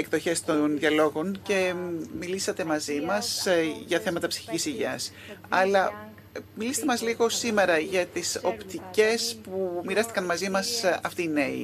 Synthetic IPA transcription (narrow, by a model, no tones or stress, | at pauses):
ekðo̞çe̞st̪o̞nðʝɐlo̞ɣo̞nce̞milisɐt̪e̞mɐzimɐsʝɐθe̞mɐt̪ɐpsi̥çicisiʝɐs | ɐlɐ | milist̪e̞mɐzliɣo̞sime̞ɾɐʝɐt̪iso̞pt̪ice̞spumiɾɐst̪ikɐnmɐzimɐsɐft̪iːne̞ḭ